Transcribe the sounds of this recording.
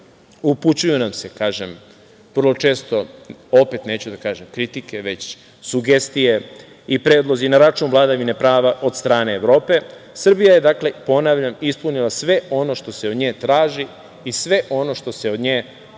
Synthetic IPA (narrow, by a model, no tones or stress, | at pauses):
uput͡ɕujunamse̞kaːʒem | ʋr̩lˠo̞t͡ʃe̞ːst̪o̞o̞pe̞t̪ne̞ːt͡ɕud̪akaːʒemkɾit̪ike̞ʋe̞t͡ɕ | suɡe̞st̪ije | ipɾeːd̪lˠo̞zinaɾat͡ʃunʋlˠad̪aʋine̞pɾaːʋaʔo̞d̪st̪ɾaːne̞ːʋɾo̞ːpe̞ | sr̩bijaje̞d̪akle̞po̞naʋʎamispunilˠasʋe̞o̞no̞ʃt̪o̞seod̪ɲeːt̪ɾaːʒi | isʋe̞ʔo̞no̞ʃt̪o̞se̞o̞d̪ɲeː